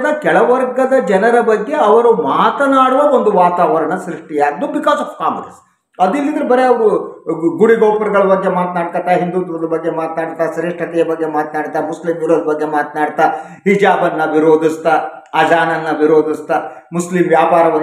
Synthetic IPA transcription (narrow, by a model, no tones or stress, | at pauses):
d̪ɐkɛɭɐʋɐɾɡɐd̪ɐd͡ʒɐnɐɾɐbɐɡːe̞ɐʋɐɾumaːt̪ɐnaːɽuʋɐond̪uʋaːt̪aːʋɐɾɐɳɐsɾiʂʈijaːɡd̪ubikaːsɐfkaːmɐlɐs | ɐd̪ilːid̪ɾebɐɾeɐʋuɡuɽiɡɔːpɐɾɡɐɭɐbɐɡːemaːt̪naːɽk̪ɐt̪ːɐɦind̪uːt̪ɐd̪ɐbɐɡːe̞maːt̪naːɽt̪ːaːsɐɾiʂʈʰɐt̪ɛjɐbɐɡːe̞maːt̪naːɽt̪ːamuslimjuɾoːd̪bɐɡːe̞maːt̪naːɽt̪a | ɦid͡ʒaːbɐnːɐʋiɾoːd̪ʱist̪a | ɐd͡ʒaːnɐnːɐʋiɾoːd̪ʱist̪amuslimʋjaːpaːɾɐʋɐ